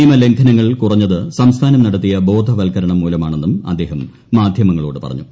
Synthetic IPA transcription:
iːmɐle̞ŋkʰɐnɐŋːɐɭkurɐɲːɐðɨsɐmst̪ʰaːnɐmnɐɽɐt̪ːijɐbo̞ːd̪ʱɐʋɐlkʰɐɾɐɳɐmːuːlɐmaːɳenːumɐ̰d̪ːe̞ːɦɐmː | aːd̪ʱjɐmɐŋːɐɭoːɽɨpɐ̰rɐ̰ɲːu

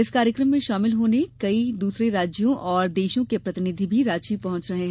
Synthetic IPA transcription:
ɪskaːɾjəkɾəmːẽʃaːmɪlɦoːnekɐid̪uːsɾeɾaːd͡ʒjõʔɔːɾd̪eːʃõkepɾɐt̪ɪnɪd̪ʱibʱiɾaːt͡ʃipɐɦʊ̃t͡ʃɾɐɦeɦɛ̃

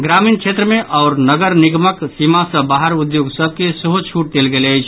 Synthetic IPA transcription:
ɡɾaminkʰet̪ɾəmeʔaʊɾnəɡəɾniɡməksimasə̃baɦəɾud̪joɡsəb̚ʱkesəɦot͡ʃʰuʈ̚d̪elɡeləjt͡ʃʰ

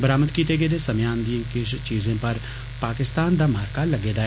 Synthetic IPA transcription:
bəɾaːməd̪kiːt̪eɡeːd̪esɐmjaːnd̪ijə̃kɪʃt͡ʃiːzẽpɐɾ | paːkɪst̪aːnd̪aːmaːɾkalɐɡeːd̪aː

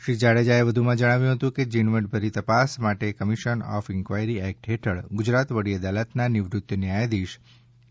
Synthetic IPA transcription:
ʃɾid͡ʒaɽed͡ʒaeʋəd̪ʱumãd͡ʒəɽ̃aʋjũɦət̪ũked͡ʒinʋəʈ̚bʱəɾit̪əpasmaʈekəmiʃənɔ̰fɪŋkʋajɾiɛk̚ʈɦeʈʰəɭɡʊd͡ʒɾat̪ʋəɽiəd̪alət̪nanɪʋɾut̪jənjajd̪iʃ

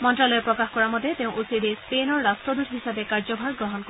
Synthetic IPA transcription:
mɔntɾalɔjepɹɔkaxkɔɹamɔd̪ʱjet̪ew̃ʔusiɾespenɔɾɾastɹɔd̪uʈʰɦisabekaɾd͡ʒɔbʱaɾɡɾɔɦɔnkɔ

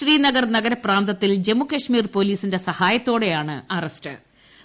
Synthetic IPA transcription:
riːnɐɡɐrnɐɡɐɾɐpraːnd̪ɐt̪ːild͡ʑe̞mukɐʂmiːrpo̞ːliːsinde̞sɐhaːjɐt̪ːo̞ːɽe̞jaːɳɨ̰ɐrɐstɨ̰

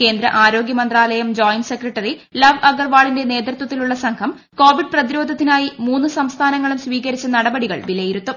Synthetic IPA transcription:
ke̞ːnd̪ɾɐ̰ʔaːɾo̞ːɡjɐmɐnd̪raːlɐjɐmd͡ʑoːjnse̞krɐʈːɐrilɐʋɐɡɐrʋaːɭinde̞ne̞ːd̪rt̪wɐt̪ːiluɭːɐsɐŋkʰɐm | ko̞ːʋiɖ̚prɐðiɾo̞ːd̪ʱɐt̪ːinaːjimuːnːɨsɐmst̪ʰaːnɐŋːɐɭumsʋiːkɐɾit͡ɕːɐnɐɽɐbɐɽiɣɐ̰ɭʋilɐjiɾut̪ːum

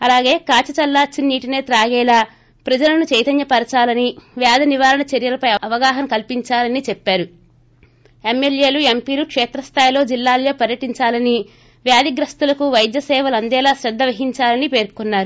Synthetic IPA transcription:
ɐlaːɡe̞ːkaːt͡ʃɐt͡ʃɐlːaːt͡ʃːinːiːʈineːt̪ɾaːɡɛːlaː | pɾɐd͡ʒɐlɐnut͡ʃɐjt̪ɐnjɐpɐɾɐt͡ʃaːlɐniʋjaːd̪ɐniʋaːɾɐɳɐt͡ʃeɾjɐlɐpɐjɐɐʋɐɡaːɦɐmkɐlpiɲt͡ʃaːlɐnit͡ʃɛpːaːɾu | emːelje̞ːluempiːlukʂɛːt̪ɾɐst̪ʰaːjloːd͡ʒilːaːljoːpɐɾjɐʈiɲt͡ʃaːlɐni | ʋjaːd̪iɡɾɐst̪ulɐkuʋɐjd̪jɐsɛːʋɐlɐnd̪ɛːlaːsɾɛd̪ːɐʋɐɦiɲt͡ʃaːlɐnipe̞ːɾkunːaːɾu

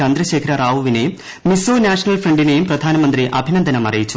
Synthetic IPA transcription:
ɐnd̪ɾɐɕe̞ːkʰɐɾɐraːʋuʋinejumː | isoːnaːʂɐnɐlfrɐɳɖine̞jumprɐd̪ʱaːnɐmɐnd̪riʔɐbʱinɐnd̪ʱɐnɐmɐrijit͡ɕːu

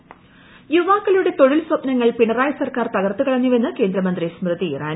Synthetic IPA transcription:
juʋaːkːɐluɽe̞t̪o̞ɻilsɐpnɐŋːɐɭpiɳɐraːjɐsɐrkaːrt̪ɐɣɐrt̪ːukɐɭɐɲːuʋe̞nːɨke̞ːnd̪ɾɐmɐnd̪rismrɨðiraːn

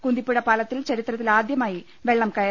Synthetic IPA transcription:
kund̪ipːiɽɐpaːlɐt̪ːilt͡ɕɐɾit̪rɐt̪ːilaːd̪jɐmaːji | ʋe̞ɭːɐmkɐjɐ

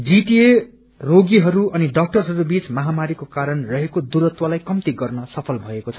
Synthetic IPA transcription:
d͡ziʈie | roɡiɦʌɾuʌniɖʌk̚ʈʌrɦʌɾubit͡smʌɦamaɾikokaɾʌnrʌɦekod̪uɾʌt̪walajkʌmt̪iɡʌrnʌsʌpʰʌlbʱʌekot͡sʰʌ

